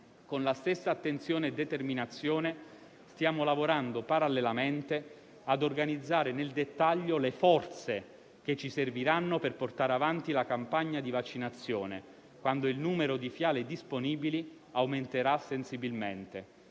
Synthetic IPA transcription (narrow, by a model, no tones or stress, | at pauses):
konlast̪esːaːt̪ːent̪sjoːneːd̪ːet̪erminat̪sːjoːne | st̪jaːmolavoɾand̪opaɾalːelament̪e | ad̪orɡanid̪zːaːɾeneld̪et̪ːaʎːolefɔrt̪se | ket͡ʃːiserviɾanːoperport̪aːɾeavant̪ilakampaɲːad̪ivat͡ʃːinat̪sːjo̰ːnḛ | kwand̪oilnuːmeɾod̪ifjaːled̪isponiːbili | awment̪eɾasːensibilment̪e